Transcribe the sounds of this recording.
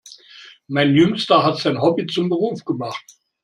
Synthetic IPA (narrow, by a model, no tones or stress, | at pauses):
maɪnjʏŋstɐɦatz̥aɪnɦɔbit͡sʊmbəʁuːfɡ̥əmaχt